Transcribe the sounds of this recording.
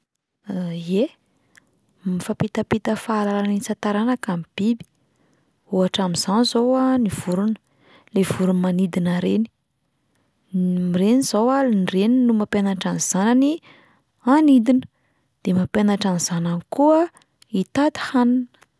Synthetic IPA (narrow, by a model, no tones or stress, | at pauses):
je | mifapit̪apit̪əfaːlalanit͡sat̪aɾanakamib̥ibi̥ | uaʈ͡ʂamiz̥anizowaniv̥uɾunə̥ | lev̥uɾunmanid̪inaɾeni̥ | mirenizowalnreninumapjanaʈ͡ʂanz̥anani | anid̪inə̥ | d̪̥emapʲanaʈ͡ʂaniz̥ananikuə | it̪at̪i̥hanunə̥